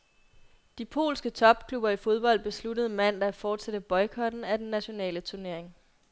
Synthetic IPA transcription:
d̥ipʰo̝̰ːlsɡ̥ət͡sʰɒ̽b̥̚kʰlub̥ɐifo̝ð̞ˠb̥ɒ̽l̰d̥̚b̥e̝sludəð̞̩ˠmæn̰d̥ɑfɒːd̥sæd̥əb̥ɒ̽ɪkʰɒ̽d̥n̩æd̥enːæɕo̝nɛ̰ːlət͡sʰuɐne̝ɐ̰e̝ŋ

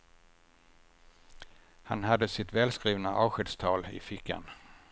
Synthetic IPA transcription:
hanɦad̪ːəsɪt̪vɛːlskɾiːvnaʔɑːɧɛd̪st̪ʰɑːlɪ̰fɪkʰːa̰n

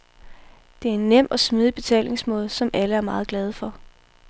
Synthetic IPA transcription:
d̥e̝æɐe̝nːem̰ɒ̽smið̞ˠib̥e̝t͡sʰɛ̰ːle̝ŋsmɔ̽ːð̞̩ˠsɒ̽mʔæləæɐmɑ̈ːðˠɡ̥lɛð̞ˠfɒ̽

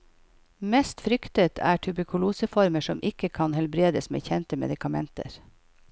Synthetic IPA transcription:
mɛst̪fɾʏkt̪ət̪ʰæ̰ːʈʰʉbəkʰʊluːsəfɔɾməʃɔmʔɪkəkʰɑnhɛlbɾeːd̪əsmḛːçɛnt̪əmɛ̰d̪ɪkɑmɛnt̪ə̰ɾ

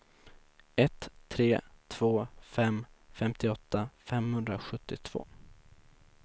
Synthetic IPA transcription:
ɛt̪ʰːɾeːt̪ʰv̥oːfɛmfɛmt̪ɪɔt̪ːafɛmhɵnd̪ɾaɧɵt̪ːɪt̪ʰv̥o̰ː

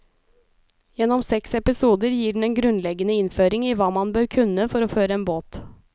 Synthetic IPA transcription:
jɛnːɔmsɛksɛpɪsuːd̪əɾjiːɖɳ̩n̩eːnɡɾʉnlɛɡənəɪnføːɾɪŋiːʋɑːmɑnbøːɾkʰʉnːəfɔɾoːføːɾəeːnboːt̪

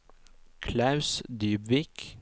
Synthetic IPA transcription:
kʰlɑʉsd̪yːbʋik

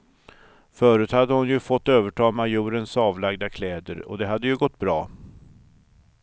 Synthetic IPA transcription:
fœːɾʉt̪had̪ːəhʊnjɵfɔt̪ːøːvəʈʰɑːmajʉːɾənsɑːvlaɡd̪akʰlɛːd̪ə̰ɾɔ̰d̪ɛɦad̪ːəjɵɡɔt̪ːbɾɑː

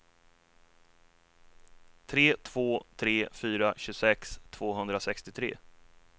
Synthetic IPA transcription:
t̪ʰɾeːt̪ʰv̥oːt̪ʰɾeːfyːɾaɕɵsɛkst̪ʰv̥oːɦɵnd̪ɾasɛkst̪ɪt̪ʰɾḛː

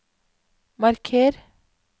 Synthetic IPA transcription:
mɑɾkʰeːɾ

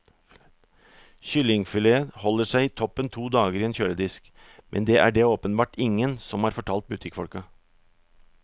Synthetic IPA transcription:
çʏlɪŋfʏleːəhɔlːəʂæɪiːt̪ʰɔpːənt̪ʰuːd̪ɑːɡəɾiːɛːnçøːɾəd̪ɪsk | mʔɛ̰nd̪ɛːʔæ̰ɖɛoːpənbɑːʈɪŋːənsɔmhɑːɾfɔʈʰɑːlt̪̚bʉt̪ʰɪkːfɔlkɑ

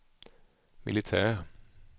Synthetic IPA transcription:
mʔɪ̰lɪt̪ʰæːʁ

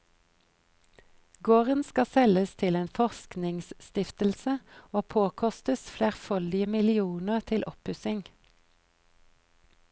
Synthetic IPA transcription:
ɡoːʁənskɑsɛləst̪ʰɪleːnfɔʁsknɪŋsst̪ɪft̪əl̩səoːpʰoːkʰɔst̪əsfleːʁfœld̪ɪəmɪlɪuːnəʁt̪ʰɪlʔɔphʉsɪŋ

